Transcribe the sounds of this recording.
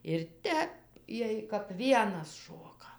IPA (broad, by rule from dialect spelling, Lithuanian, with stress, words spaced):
ɪr ˈtʲɛp ˈjiɛj kɐp ˈʋʲiɛnɐs ˈʃoːkɐ